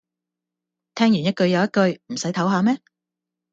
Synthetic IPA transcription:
t̪ʰɛː˥ŋjy˨˩njɐ˥t̚kɵ˧ɥjɐ˨˧wjɐ˥t̚kɵ˧ɥm̩˨˩sɐ˨˥jt̪ʰɐ˨˥wɦaː˨˧mɛː˥

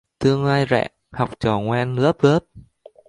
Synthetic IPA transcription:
t̪ɨ˧əŋlaː˧jzɛ̰ː˧˩ | ha˨˩wk͡p̚t͡ɕɔ˨˩ŋwɛː˧nlɨ̰˧˥əp̚lə˦˥əp̚

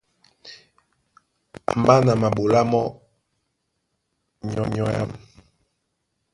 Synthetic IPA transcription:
m̩˨ba˦na˨ma˨ɓo˨la˦mɔ˦ | ɲɔ̰˦ɲɔ˦ja̰˦m

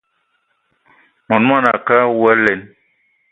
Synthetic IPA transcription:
mɔ˨n˦ma˦˨na˨ka˦wɛ˦lɛ˨n

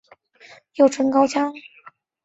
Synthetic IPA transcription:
jo˥˩ʊʈ͡ʂʰwə˧˥nkɑ˥ʊt͡ɕjɑ˥ŋ

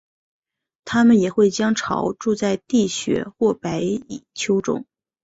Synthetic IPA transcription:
t̪ʰa˥mə˨njɛ˨˩xwe˥˩ɪt͡ɕjɑ˥ŋʈ͡ʂʰɑ̰˧˥ʊʈ͡ʂu˥˧t͡sa˥˧ɪt̪i˥˩ɕɥɛ̰˧˥xwɔ˥˩pa˧˥ɪi˨˩t͡ɕʰjo˥ʊʈ͡ʂʊ̰˥ŋ

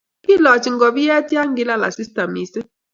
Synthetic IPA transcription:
ki˦lɔ˨t͡ʃi˨ŋ̩˦ɡɔ˨bi˦jɛ˦ti˦a˦ŋ̩˦ɡi˦la˦la̰˨si˦sta˨mi˨si˦

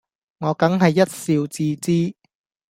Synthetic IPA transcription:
ŋɔː˨˧kɐ˨˥ŋɦɐ˨jːɐ˥t̚siː˧wt͡siː˧˥t͡siː˥

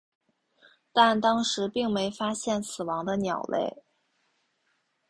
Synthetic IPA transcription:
t̪a˥˩nt̪ɑ˥ŋʂɻ̩˧˥pi˥˩ŋme˧˥ɪfa˥ɕjɛ˥˩nsɹ̩˨˩wɑ˧˥ŋd̪ə˧njɑ˨˩ʊlʔḛ˥˩ɪ

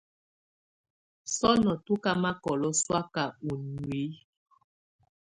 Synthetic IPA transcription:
sɔ˦nɔ˨tu˦ka˦ma˦kɔ˨lɔ˦swa˦ka˨u˨nwi˨˦

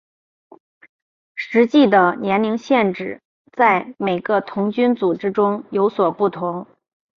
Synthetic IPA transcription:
ʂɻ̩˧˥t͡ɕi˥˩d̪ə˩njɛ˧˥nli˧˥ŋɕjɛ˥˩nʈ͡ʂɻ̩˨˩ | t͡sa˥˩ɪme˨˩ɪɡə˦t̪ʰʊ˧˥ŋt͡ɕy˥nt͡su˨˩ʈ͡ʂɻ̩˥ʈ͡ʂʊ˥ŋjo˧˥ʊswɔ˨˩pu˥˩t̪ʰʊ˧˥ŋ

